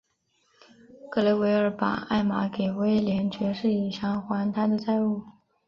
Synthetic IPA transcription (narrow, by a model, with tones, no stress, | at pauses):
kɤ˥˧le˧˥ɪwe˧˥ɪə˞˧˥pa̰˨˩a˥˩ɪma̰˧˥ke˨˩ɪwe˥ɪljɛ˧˥nt͡ɕɥɛ˧˥ʂɻ̩˥˩i˨˩ɕjɑ˧˥ŋxwa˧˥nt̪ʰa˥d̪ə˨t͡sa˥˧ɪu˥˩